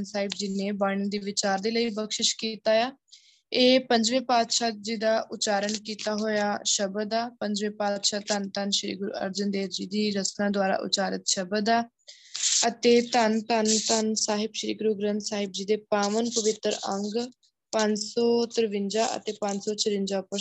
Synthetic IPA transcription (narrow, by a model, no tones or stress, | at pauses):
nsaːɦɪb̚d͡ʒiːneːbaːɽ̃iːd̪iːʋɪt͡ʃaːɾd̪eːləiːbəkʃɪʃkiːt̪aːjaː | eːpəɲd͡ʒʋẽːpaːd̪ʃaːd͡ʒid̪aːʔʊt͡ʃaːɾəɳkiːt̪aːɦoːjaːʃəbəd̪aːpəɲd͡ʒʋẽːpaːd̪ʃaːt̪ənt̪ənʃɾḭːɡɾṵːə̰ɾd͡ʒənd̪eːɾd͡ʒiːd̪iːɾəsnãːd̪owaːɾa̰ːʔʊ̰t͡ʃaːɾət̪ʃəbəd̪aː | ət̪eːt̪ənt̪ənt̪ənsaːɦɪbʃɾḭːɡɾuːɡɾə̃nt̪saːɦɪp̚d͡ʒiːd̪eːpaːʋənpəʋɪt̪ɾəŋɡ | pə̃ɲd͡ʒsoːt̪əɾʋɪɲd͡ʒaːʔə̰t̪eːpə̃ɲsoːt͡ʃəɾɪ̃ɲd͡ʒaːpə